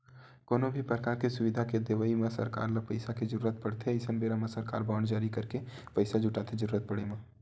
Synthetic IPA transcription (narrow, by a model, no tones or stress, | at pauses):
koːnobʱipɾəkaːɾkesʊʋɪd̪ʱaked̪eʋaimãsɐ̰ɾka̰ːɾləpɐɪsaked͡ʒəɾuːɾət̪̚pɐɽt̪ʰeəɪsənbeːɾamãsɐɾka̰ːɾbaːɳd͡ʒaːɾikɐɾke | pɐɪsad͡ʒʱʊʈaːt̪ʰed͡ʒəɾuːɾət̪̚pəɽemã